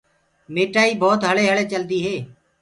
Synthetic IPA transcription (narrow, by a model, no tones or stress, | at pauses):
meːʈaːiːbɔːt̪ɦəleːɦəɭeːt͡ʃəld̪iːɦeː